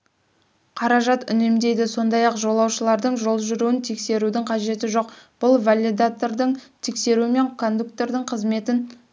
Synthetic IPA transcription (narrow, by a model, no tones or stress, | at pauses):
qʰɑɾɑʒɑt̪ʏne̞md̪e̞jd̪ɪso̞nd̪ɑjɑqʒo̞lˠɑwʃəlˠɑɾd̪əɴʒo̞lˠʒʏɾuwɪnt̪ʰe̞kse̞ɾud̪ɪɴqʰɑʒe̞t̪ɪʒo̞qb̥ʊlˠvalʲid̪at̪oɾd̪əɴt̪ʰekse̞ɾuɪme̞ŋkʰo̞nd̪ukt̪e̞ɾd̪əɴqʰəzme̞t̪ɪn